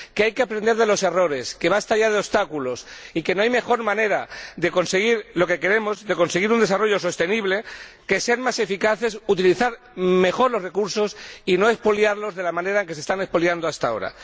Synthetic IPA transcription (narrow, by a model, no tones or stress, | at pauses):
keajke̞apɾend̪eɾðe̞lo̞se̞ro̞ɾe̞ske̞βast̪aʎað̞eo̞st̪akulo̞sike̞no̞ajme̞xo̞ɾmãne̞ɾaðe̞ko̞nse̞ɣ̞iɾlo̞ke̞ke̞ɾe̞mo̞zðe̞ko̞nse̞ɣ̞iɾund̪e̞saro̞ʝo̞so̞st̪e̞niβle̞ke̞seanmase̞fikaθe̞sut̪iliθaɾ | me̞xo̞ɾlo̞sre̞kuɾso̞sino̞e̞spo̞ljaɾlo̞zðe̞lamãne̞ɾaeŋke̞sest̪ane̞spoljand̪oast̪ao̞̰ɾa̰